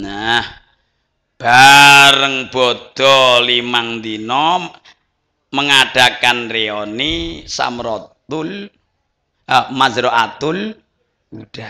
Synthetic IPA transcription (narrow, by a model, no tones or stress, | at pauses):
nah | b̥aɾəŋb̥ɔd̪̥ɔlimaŋd̪inɔ | məŋaɖ̥a̤kanreɔnisa̰mɾɔt̪ʊl | mazɾɔʔat̪ʊl | ud̥a